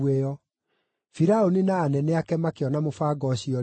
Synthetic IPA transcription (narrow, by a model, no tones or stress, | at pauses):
eɔ | fiɾaoninaːnɛneakɛmakeɔnamofaːɡɔɕiɔ